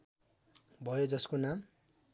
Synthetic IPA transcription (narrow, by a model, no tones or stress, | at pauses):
bʱʌjod͡zʌskonam